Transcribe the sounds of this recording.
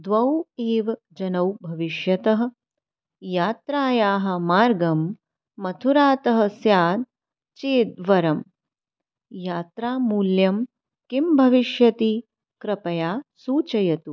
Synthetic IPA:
d̪ʋɐweːʋɐ | d͡ʒɐnɐwbʱɐʋiʃjɐt̪ɐɦɐ̆ | jaːt̪ɾaːjaːɦɐ̆maːɾɡɐmː | ɐt̪ʰuɾaːt̪ɐɦɐ̆sjaːd̪ | t͡ʃeːd̪ʋɐɾɐm | jaːt̪ɾaːmuːljɐm | kimbʱɐʋiʃjɐt̪i | kɾɐpɐjaːsuːt͡ʃɐjɐt̪u

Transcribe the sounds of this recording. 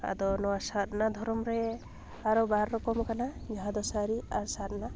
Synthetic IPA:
a̰d̪ɔnɔwasat̪nad̪ʱɔɾɔmɾɛ | aɾɔbaɾːɔkɔmkanad͡ʒɔɦãd̪ɔsaɾiaɾsat̪̚na

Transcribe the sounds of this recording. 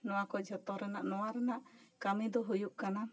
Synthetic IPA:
nɔakɔd͡ʒɔt̪ɔɾɛnaʔnɔaɾɛnaʔkamid̪ɔɦujuʔkana

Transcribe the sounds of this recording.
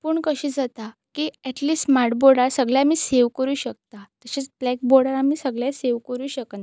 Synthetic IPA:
puːɳkəɕiːd͡zat̪akiːɛʈliːsʈmaɾʈboɾɽaɾsəɡɭjamiːseʋkəɾuːɕək̚t̪at̪əɕet͡sblɛk̚boɾɽaɾamiːsəɡɭjaseʋkəɾuːɕək̪

